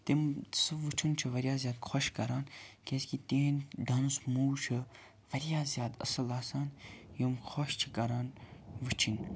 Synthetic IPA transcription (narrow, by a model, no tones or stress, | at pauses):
t̪emsɨʋut͡ʃʰunt͡ʃʰiʋɐɾjaːzʲjaːd̪̚kʰɔʃkɐɾaːnkʲeskit̪eːnɖɐnsmuːt͡ʃʰɨ | ʋɐɾjaːzjaːd̪ɐ̰sɐlaːsaːnjɐmxʰɔʃt͡ʃʰikɐɾaːnʋɨt͡ʃʰin